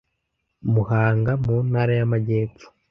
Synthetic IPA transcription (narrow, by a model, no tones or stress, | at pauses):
muhaːŋɡamunhaɾajamaɟe̞ːfu̥